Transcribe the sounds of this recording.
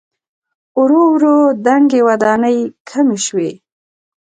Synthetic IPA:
ʊɾowɾod̪aŋɡewad̪ɑnəjkʰameʃwe

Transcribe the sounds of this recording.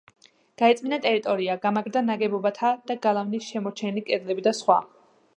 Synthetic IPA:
ɡ̥aɛt̪sʼminat̪ʼɛɾit̪ʼɔɾiaɡamaɡɾd̪anaɡɛbɔbat̪ʰad̪̥aɡalˠavnisʃɛmɔt͡ʃʰɛnikʼɛd̪lɛbid̪asχwa̰

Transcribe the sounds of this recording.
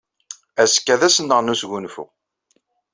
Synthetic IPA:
æskːæðæsənːəʁnusɡunfṵ

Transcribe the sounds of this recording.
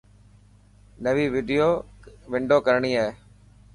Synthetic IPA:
nəʋiːʋɪɖijoːʋɪɳɖoːkəɾɳiːaːɦeː

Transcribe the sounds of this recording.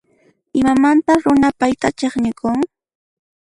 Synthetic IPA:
ɪmamant̪aɾʊnapajt̪at͡ʃeχɲɪkʊŋ

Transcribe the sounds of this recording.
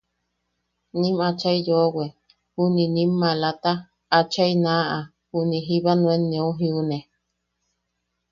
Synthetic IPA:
nĩmat͡ʃaijowe | huninĩmːalat̪a | at͡ʃainãʔa | huniɦiβanũenːẽoɦiune

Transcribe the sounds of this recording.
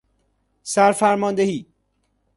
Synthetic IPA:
sæɾfæɾmɒːnd̪ehiː

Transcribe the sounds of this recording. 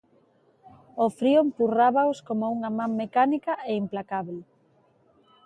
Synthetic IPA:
ofɾiompuraβaoskomouŋamãŋmekanikɐʔeimplakaβl

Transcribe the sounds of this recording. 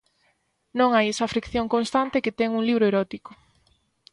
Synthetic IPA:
nõŋajesɐfɾikθjoŋkõnst̪ant̪eket̪ɛŋuŋliβ̞ɾoeɾɔt̪iko

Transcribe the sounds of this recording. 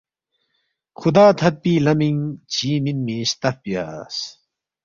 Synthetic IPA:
xud̪aːt̪ʰɐt̪̚piːlɐmiŋt͡ɕʰiːminmĩɕt̪ɐfpija̰ːs

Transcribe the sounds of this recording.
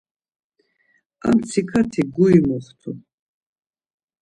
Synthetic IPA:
a̰mt͡sʰikʰat̪ʰiɡuimɔχt̪ʰu

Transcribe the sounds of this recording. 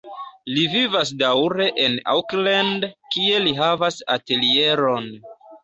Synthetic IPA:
livivas̬dawɾe̞ʔena̰wklandkie̞liɦavasa̰telie̞ɾo̞n

